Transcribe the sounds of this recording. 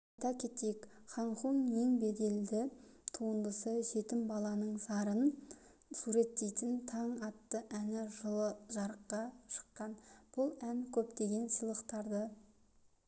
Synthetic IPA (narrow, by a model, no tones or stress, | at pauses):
ɑjt̪ɑkʲʰe̞t̪e̞jekχɑɴχunje̞ŋbe̞d̪e̞ld̪ɪt̪ʰuənd̪əsəʒe̞t̪ɪmbɑlˠɑnəɴsɑɾən | suɾe̞t̪ːe̞jt̪ɪnt̪ʰɑɴɑt̪ːəʔænɪʒəlˠəʒɑɾəqːɑʃə̥qːɑnb̥ʊlˠæŋkʲʰɵpt̪e̞ɡʲe̞nsəlˠəqt̪ɑɾd̪ə